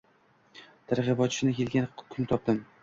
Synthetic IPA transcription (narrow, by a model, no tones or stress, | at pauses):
t̪ʰaɾʁɪbɒt̪t͡ʃʰɪnɪkʲe̞lɡʲankʰʊnt̪ʰɒp̚d̪ɪm